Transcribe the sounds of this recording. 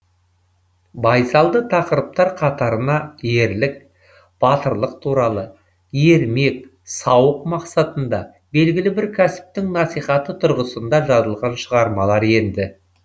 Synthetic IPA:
bɑjsɑlˠd̪ət̪ʰɑqəɾəp̚t̪ɑɾqʰɑt̪ɑɾənɑje̞ɾlɪk̚ | b̥ɑt̪əɾlˠəq̚t̪ʰuɾɑlˠə | jeɾme̞k̚ | sɑwəqmɑqsɑt̪ənd̪ɑ | be̞lɡʲɪlɪbɪɾkʲʰæsɪ̥p̚t̪ɪŋnɑsijχɑt̪ət̪ʰʊɾʁəsənd̪ɑʒɑzəlˠʁɑnʃəʁɑɾmɑlˠɑɾe̞nd̪ɪ

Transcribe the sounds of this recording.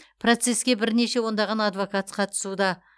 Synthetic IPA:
pro̞t̪se̞skʲe̞bɪɾne̞ʃe̞wo̞nd̪ɑʁɑnɑd̪vo̞kɑt̪qʰɑt̪ʰə̥sud̪ɑ

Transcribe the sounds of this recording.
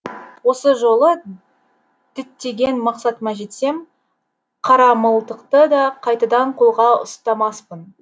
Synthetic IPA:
wo̞səʒo̞lˠə | d̪̥ɪt̪ːe̞ɡʲe̞nmɑqsɑt̪əmɑʒe̞t̪se̞m | qʰɑɾɑməlˠt̪əqt̪əd̪ɑqʰɑjt̪ɑd̪ɑɴqʰolˠʁɑʊ̰st̪ɑmɑspən

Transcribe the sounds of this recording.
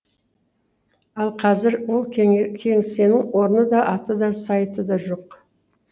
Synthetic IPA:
ɑlˠqʰɑzɪɾwolˠkʲʰe̞ŋse̞nɪŋwo̞ɾənəd̪ɑʔɑt̪əd̪ɑsɑjt̪əd̪ɑʒo̞q

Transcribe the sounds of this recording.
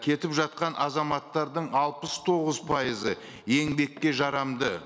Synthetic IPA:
kʲʰe̞t̪ɪpʒɑt̪̚qɑnʔɑzɑmɑt̪ːɑɾd̪əɴɑlˠpəst̪ʰo̞ʁəzpʰɑjəzə | je̞ŋbe̞kʲːe̞ʒɑɾɑmd̪ə

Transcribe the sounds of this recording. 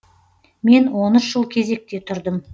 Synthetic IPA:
me̞nwo̞nəʃʒ̥əlˠkʲʰe̞ze̞k̚t̪e̞t̪ʰʊɾd̪əm

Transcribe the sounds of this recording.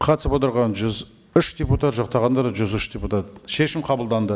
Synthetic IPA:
qʰɑt̪əsəpot̪əɾʁɑnʒʏz | ʏʃd̪ʲeput̪at̪ʒɑqt̪ɑʁɑnd̪ɑɾd̪ɑʒʏzʏʃd̪ʲeput̪at̪ʃe̞ʃɪmqʰɑbəlˠd̪ɑnd̪ə

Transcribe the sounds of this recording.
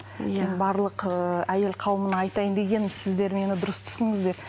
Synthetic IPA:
menbɑɾlˠəqəæje̞lqʰɑwəmənəɑjt̪ɑjənd̪e̞ɡʲe̞nɪmɪzsɪzd̪e̞ɾme̞nɪd̪ʊɾəst̪ʰʏ̥sɪŋəzd̪e̞ɾ

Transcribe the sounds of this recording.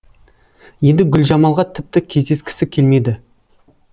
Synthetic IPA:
je̞nd̪ɪɡʲʏlʒɑmɑlˠʁɑt̪ʰɪp̚t̪ɪkʲʰe̞zd̪e̞skʲɪ̥sɪkʲʰe̞lme̞d̪ɪ

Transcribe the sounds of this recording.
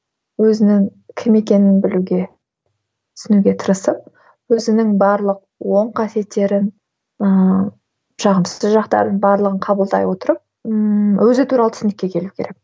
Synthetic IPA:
wɵzɪnɪŋkʲʰɪme̞kʲe̞nɪnbɪluɡʲe | t̪ʰʏ̥sɪnuɡʲe̞t̪ʰəɾəsəp̚ | wɵzɪnɪŋbɑɾlˠəq̚ | wo̞ɴqʰɑsje̞t̪ːe̞ɾɪn | ə | ʒ̥ɑʁəmsə̥əzʒɑqt̪ɑ̰ɾd̪ənbɑɾlˠəʁəɴqʰɑbəlˠd̪ɑ̰jwo̞t̪əɾəp̚ | wʔɵzɪt̪ʰuɾɑlˠət̪ʰʏ̥snɪ̥kʲːe̞kʲʰe̞lukʲeɾe̞k

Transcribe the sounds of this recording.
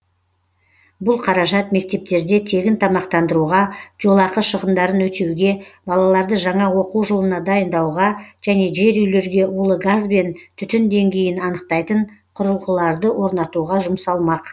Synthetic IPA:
bʊlˠqʰɑɾɑʒɑt̪me̞k̚t̪e̞p̚t̪e̞ɾd̪e̞t̪ʰe̞ɡʲɪnt̪ʰɑmɑqt̪ɑnd̪əɾuʁɑʒ̥o̞lˠɑqəʃəʁənd̪ɑɾənwɵt̪ewɡʲe̞bɑlˠɑlˠɑɾd̪əʒɑɴɑwo̞quwʒolˠənɑd̪ɑjənd̪ɑwʁɑʒ̥æne̞ʒe̞ɾʏjle̞ɾɡʲe̞ʔulˠəɡazbe̞nt̪ʰʏt̪ɪnd̪e̞ŋɡʲe̞jɪnɑnəqt̪ɑjt̪əɴqʰʊɾəlˠʁəlˠɑɾd̪əwʔo̞ɾnɑt̪uʁɑʒʊmsɑlˠmɑq

